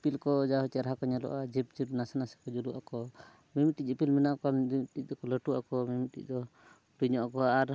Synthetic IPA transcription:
pilkɔd͡ʒaɦɔt͡ʃɛɾaɦakɔɲalɔ̰ʔad͡ʒip̚d͡ʒip̚nasanasɛ̥kɔd͡ʒuɾuʔakɔ | mimiʈic̚ipilmɛnaʔkɔimʈic̚d̪ɔkɔləʈuakɔmimiʈḭc̚ˀd̪ɔ | ʈuɲɔʔakɔaɾ

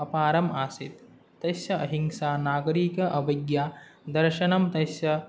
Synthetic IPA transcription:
ɐpaːɾɐmaːsit̪ː | ɐsjɐɐɦiŋʃaːnaːɡɐɾiːkɐʔɐʋɐɡjaːd̪ɐɾʃɐnɐmt̪ɐsjɐ

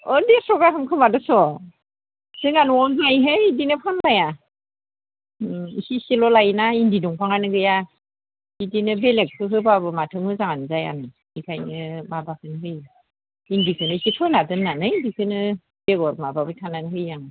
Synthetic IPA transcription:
ɔdesɔɡaɦɯmkʰɯmadɯsɔ | z̥ɯŋanwɔnzajɦɯjidinɯpʰanlaja | isisilɔlajnaindiduŋpʰaŋanɯɡɯja | idinɯbelek̚pʰɯɦɯbabɯmatʰɯŋɯzaŋanzaja̰nɯ | ikʰajnɯmabakʰɯnɦɯj | indikʰɯnɯsipʰɯnadɯnːanɯindikʰɯnɯ | beɡɔɾmababɯtʰananɦɯjːaŋ

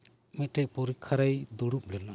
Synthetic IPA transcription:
mɛt̪̚ʈɛc̚pɔɾikʰːaɾajd̪ɔɽup̚lɛna

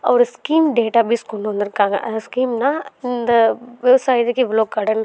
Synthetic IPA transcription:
ɐ̰ːɾskiːmɖeːʈabiskunõnd̪ɐɾkãskiːmnad̪əʋjɐʋsaːjd̪ekiʋɪloːkːɐɽən

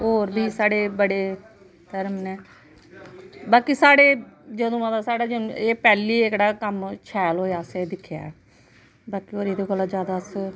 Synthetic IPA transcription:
oːɾbʱiːsaːɽeːbəɽeː | t̪əɾmnɛː | baːkiːsaːɽeːd͡ʒəd̪õːət̪aːsaːɽaːd͡ʒə̃eːpɛːliːekɽaːkəmt͡ʃʰɛːlɦoːjaːseːd̪ɪkʰːja̰ːɛː | baːkiːoːɾeːd̪õːɡəlːaːd͡ʒjaːd̪aːs

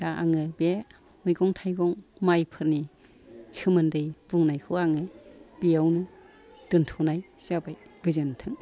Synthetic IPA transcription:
d̥aʔa̰ŋɯbe | mɯjɡɔŋtʰajɡɔŋmajpʰɯɾni | sɯmɯndɯjb̥uŋnajkʰɯaŋɯb̥iawnɯ | d̥ɯntʰɔnajsabajɡɯzantʰɯŋ

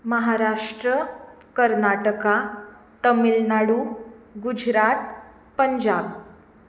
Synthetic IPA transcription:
məɦaɾaʂʈɾə | kəɾnaʈəka | t̪əmilnaɽuɡud͡ʑɾat̪ | pəɲd͡ʑab

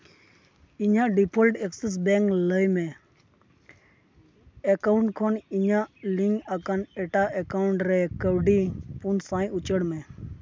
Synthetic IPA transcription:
iɲãːɖipʰəlʈekses̬bɛ̃ːŋkləjmẽː | ekaːʊɳʈkʰoniɲãliŋɡakaneʈaːʔekaːʊɳʈɾekəɾɖiːpunsãːĩʊt͡ʃəɽmẽː

